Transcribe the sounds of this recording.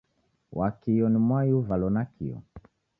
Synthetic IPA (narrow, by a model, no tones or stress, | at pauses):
wʔakijɔnimwajuvalɔnakḭjɔ̰